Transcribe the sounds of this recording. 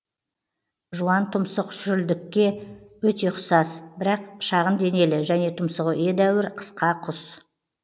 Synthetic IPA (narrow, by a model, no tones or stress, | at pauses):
ʒuɑnt̪ʰʊmsəqʒ̥ʏɾld̪ɪkʲːe̞wɵt̪e̞qʊsɑsbɪɾɑqʃɑʁənd̪e̞ne̞lɪʒæne̞t̪ʰʊmsəʁəʔe̞d̪æwɪɾqʰə̥sqɑqʰʊs